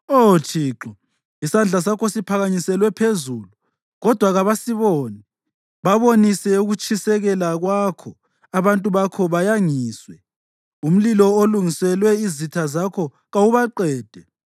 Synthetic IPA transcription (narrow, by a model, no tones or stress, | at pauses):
ot͡ʃʰiːǁɔ | isand͡ɮʱas̬akʰɔsipʰaɣaɲisɛlwɛpʰezulu | ɣɔd̥ʱwaɣaβasiβoːni | βaβonisɛuɣut͡ʃʰʼisɛɣɛlaɣwakʰɔ | aβantʼuβakʰɔβajaŋiːswɛ | um̩lilɔoluŋisɛlwɛizitʰazakʰɔ | ɣawuβaǃɛːd̥ʱɛ